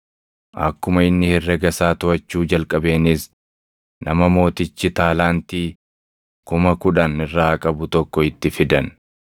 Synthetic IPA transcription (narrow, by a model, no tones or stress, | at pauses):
ʔɐ̰kːʊmɐɪnːɪhɪrːɛɡɐsaːt̪ʊʔɐt͡ʃːuːd͡ʒɐlkʼɐbe̞ːnɪs | nɐmɐmo̞ːt̪ɪt͡ʃːɪt̪aːlaːnt̪iː | kʊmɐkʊᶑɐnɪrːaːɐkʼɐbʊt̪ɔkːɔɪt̪ːɪfɪd̪ɐn